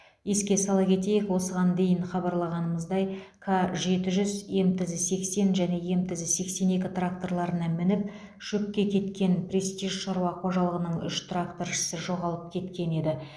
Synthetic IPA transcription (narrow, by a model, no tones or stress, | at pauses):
jeskʲe̞sɑlˠɑkʲʰe̞t̪e̞jekwo̞səʁɑnd̪e̞jɪɴχɑbɑɾlˠɑʁɑnəməzd̪ɑjkʰaʒe̞t̪ɪʒʏzje̞mt̪ɪzɪse̞kse̞nʒæne̞je̞mt̪ɪzɪse̞kse̞ne̞kʲɪt̪rak̚t̪o̞rlˠɑɾənɑmɪnɪp̚ | ʒ̥ɵkʲːe̞kʲʰe̞t̪kʲe̞nprʲest̪iʒʃɑɾuɑqʰo̞ʒɑlˠəʁənəɴʏʃt̪rakt̪orʃə̥sɪʒo̞ʁɑlˠəp̚kʲʰe̞t̪kʲe̞ne̞d̪ɪ